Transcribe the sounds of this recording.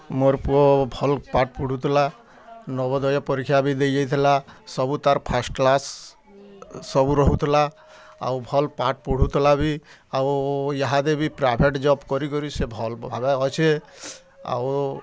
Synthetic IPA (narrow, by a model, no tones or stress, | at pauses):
moɾpuɔbʱɔlpaʈ̚puɽ̤ut̪ʰila | nɔbɔd̪ɔjɔpɔɾikʰːjabid̪ejd͡ʒajt̪ʰilasɔbut̪aɾpʰasʈklas | ɔbuɾɔɦut̪ʰila | a̰wbʱɔlpaʈ̚puɽ̤ut̪ʰilabiawjaɦad̪ebipɾajbʱeʈd͡ʒɔbkɔɾikɔɾisebʱɔlbʱabaɔt͡ʃʰe | a̰w